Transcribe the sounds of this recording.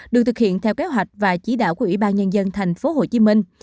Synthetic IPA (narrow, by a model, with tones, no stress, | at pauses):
ɗɨ˨˩k̚t̪ɨ˨˩k̚hḭ˧˨ənt̪ʰɛ˧wke˨˦ɦwa˨˩jk̟̚vaː˨˩t͡ɕi˧˦ɗa̰ː˧˨wku˧˩əwi˧˩ɓaː˧nɲə˧nzə˧nt̪ʰɛ˨˩jŋ̟fo˨˦ho˨˩t͡ɕi˨˦mï˧ŋ̟